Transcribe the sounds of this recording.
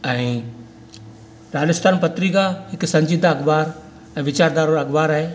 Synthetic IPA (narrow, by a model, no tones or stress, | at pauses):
ɛ̃ː | ɾaːlɪst̪aːnpɐt̪ɾikahɪksɐ̃ɲd͡ʑiːd̪ʱaɐɡbaːɾ | ɛ̃ːʋɪt͡ɕaːɾd̪aːɾoɾɐɡbaːɾaːɦeː